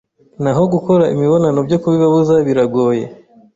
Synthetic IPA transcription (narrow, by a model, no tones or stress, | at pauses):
naɦo̞ɡuko̞ɾaḭmiβo̞nano̞bɟokuβiβaβuzaβiɾaɡo̞je̞̰